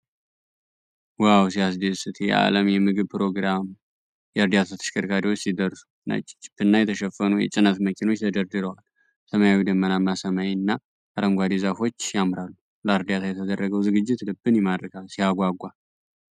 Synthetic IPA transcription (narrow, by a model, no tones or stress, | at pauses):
wawsiasd̪esɨt̪ʰjɛ̰ʔa̰ləmjɛmɨɡɨβpʰɨɾo̞ɡɾam | jɛɨɾd̪ijat̪ʰat̪ʰə̥ʃkʰəɾkʰaɾiwo̞t͡ʃːsid̪ərsu̥ | na̰t͡ʃʼt͡ʃʼːɪ̥pːɨnːajɛt̪ʰəʃɛfːənujɛ̰t͡ʃʼɨnət̪məkʰino̞t͡ʃːt̪ʰəd̪əɾd̪ɨɾəwal | səməjawid̪əmːənamːasəmajnːa | ʔaɾəŋɡʷad̪izafo̞t͡ʃːjamɾalːu | ləɨɾd̪jat̪ʰajɛt̪ʰəd̪ərːəɡəwzɨɡɨd͡ʒːɪt̪lɨbːɨnjɛmad̪ɾkalsijaɡʷaɡʷa